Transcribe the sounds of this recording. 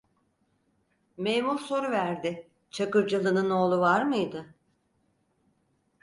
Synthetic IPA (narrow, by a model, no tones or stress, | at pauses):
mejmuɾso̞ɾuvæɾd̪ɪ | t͡ʃʰakɯɾd͡ʒalˠɯnɯno̞ːlˠuvaɾmɯjd̪ɯ